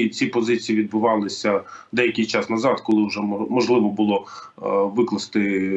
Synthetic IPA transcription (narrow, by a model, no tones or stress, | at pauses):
t͡sʲipɔzɪt͡sʲijiʋʲid̪̚bʊʋɑlˠɪsʲɐd̪ɛjɐkʲɪjt͡ʃɑsnɐzɑd̪kɔlˠɪʊʒɛmɔʒlˠɪʋɔbʊlˠɔ | ʋɪklˠɐst̪ɪ